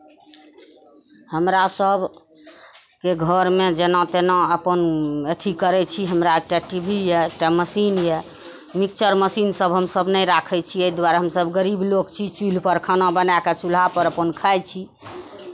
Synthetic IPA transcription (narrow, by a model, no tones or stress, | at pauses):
həmɾasəb | keɡʱəɾmed͡ʒenãt̪enaəpənet̪ʰikəɾɛt͡ʃʰiɦəmɾaek̚ʈaʈibʱijɛek̚ʈaməsinjɛ | mik̚t͡ʃəɾməsinsəbɦəmsəbʱnəjɾakʰɛt͡ʃʰieid̪waɾɦəmsəbɡəɾiblokt͡ʃʰit͡ʃul̤pəɾkʰənabənaket͡ʃul̤apəɾəpənkʰajt͡ʃʰi